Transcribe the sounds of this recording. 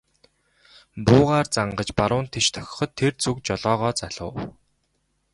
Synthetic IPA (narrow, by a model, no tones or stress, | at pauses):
pʊːʁaːrt͡saɴɢə̆t͡ɕpaɾʊːnt̪ʰet͡ɕt̪ʰœ̥xʲɪ̥̆χɞ̆t̪ʰːert͡sʰukt͡ɕɔɮɔːʁɔːt͡saɮʊ̰ː